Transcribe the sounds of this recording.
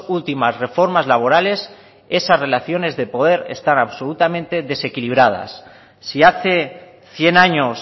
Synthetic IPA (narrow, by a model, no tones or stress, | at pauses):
ult̪imasre̞fo̞ɾmazlaβ̞o̞ɾale̞s | e̞sazre̞laθjo̞ne̞zðe̞po̞ð̞e̞ɾe̞̰st̪anaβso̞lut̪amẽ̞nt̪e̞ðe̞se̞kiliβ̞ɾað̞a̰sː | iaθe̞ | θje̞naɲo̞s